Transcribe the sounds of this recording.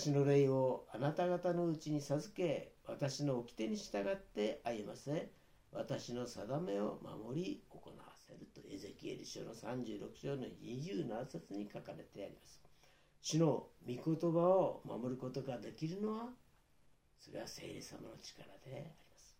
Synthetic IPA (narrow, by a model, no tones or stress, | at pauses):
ɕino̞ɾeio̞anat̪aɡat̪ano̞ɯt͡ɕiɲ̟isazɨke̞βat̪aɕino̞ːkʲi̥t̪e̞ɲ̟iɕi̥t̪aɡat̪ːe̞ʔajemase | βat̪aɕino̞sad̪ame̞o̞ma̰mo̞ɾʲio̞ko̞̰na̰βase̞ɾɯt̪oe̞ze̞kʲie̞̰ɾʲiɕo̞̰ːno̞sãɲ̟d͡ʑɨːɾo̞kɯ̟̥ɕo̞ːnoɲiʑɨːnanaset͡sɨɲ̟ikakaɾe̞t̪e̞a̰ɾʲimasɨ̥ | ɕino̞mʲiko̞t̪o̞baoma̰mo̞ɾɯ̟ko̞t̪o̞ɡad̪e̞kʲiɾɯ̟no̞βa | so̞ɾe̞ase̞̰ːɾe̞̰sa̰mano̞t͡ɕi̥kaɾad̪e̞aɾʲimasɨ̥